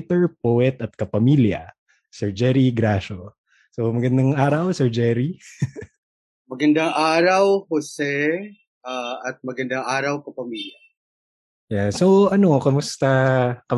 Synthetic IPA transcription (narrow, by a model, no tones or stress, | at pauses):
t̪ɛɹpoʔɛt̪ɐt̪̚kɐpɐmiljɐ̰ | sɛɹd͡ʒɛɾiɡɾaʃo | somɐɡɐnd̪aŋʔaːɾɐwsɛɹd͡ʒɛɾi | mɐɡɐnd̪aŋʔaːɾɐwhosɛ | ʔaʔɐt̪̚mɐɡɐnd̪aŋʔaːɾɐwkɐpɐmiːljɐ | jasoʔɐno̞kɐmʊst̪akɐ